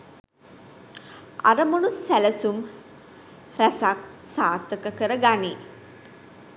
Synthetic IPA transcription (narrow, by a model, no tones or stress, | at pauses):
a̰ɾəmonusːæləsum | ræsak̚saːt̪ːəkəkəɾəɡaneː